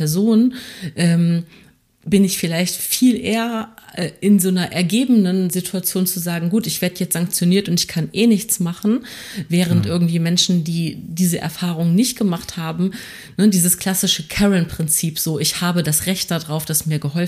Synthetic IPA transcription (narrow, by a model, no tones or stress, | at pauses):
ɛɐzoːnʔɛːm | bɪnɪçfɪlaɪçtfiːlʔeːɐʔɛːʔɪnzoːnɐʔɛɐɡeːbənənzitʰuat͡sjoːnt͡suzaːɡŋ̩ɡuːtɪçv̥eːɐdəjɛt͡sz̥aŋk̚t͡sjoniːɐtʊntɪçkʰanʔeːnɪçt͡smaχn̩ | vɛːʁ̞əntʔɪɐɡŋ̩tv̥iːmɛnʃn̩diːdiːzəʔɛ̰ɐfaːʁ̞ʊŋnɪçt̚ɡ̥əmaχthaːbm̩ | nədiːzəskʰl̥asɪʃəkʰɛʁənpʁ̥ɪnt͡siːpz̥oːʔɪçhaːbədasʁɛçt̚d̥adʁaʊfd̥asmiːɐɡəɦɔl